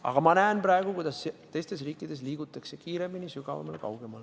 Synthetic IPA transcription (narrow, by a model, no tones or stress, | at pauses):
ɑ̰ɡ̥ɑmɑnæːnpræeɡ̥ukujd̪ɑset̪e̞jst̪e̞sriːkːˑid̪̥e̞s̬liːɡ̥ut̪ːˑɑkse̞kiːɾe̞mːinisyɡ̥ɑvɑ̰mɑlkɑ̰wɡ̥emɑl